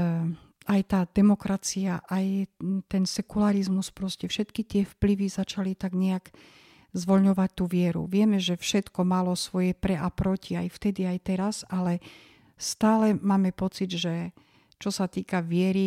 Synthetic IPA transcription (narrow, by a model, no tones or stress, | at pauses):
ajt̪aːd̪ɛmɔkɾat͡siaʔajt̪ɛnsɛkulaɾizmuspɾɔscɛfʃɛt̪kit̪ɪɛfpliʋizat͡ʃalit̪aɡɲɛjaɡ | zʋɔlɲɔʋac̚t̪uːʋɪɛɾṵʋɪɛmɛʒɛfʃɛt̪kɔmalɔsʋɔjɛpɾɛʔapɾɔciajft̪ɛd̪iajt̪ɛɾazalɛ | st̪aːlɛmaːmɛpɔt͡sid̪ʒɛ | t͡ʃɔsat̪iːkaʋɪɛɾi